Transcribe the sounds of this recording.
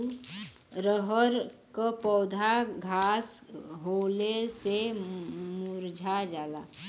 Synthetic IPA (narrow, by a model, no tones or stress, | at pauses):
ɾəɦəɾkəpɔːd̪ʱaɡʱasɦolese | muɾd͡ʒʱad͡ʒaːla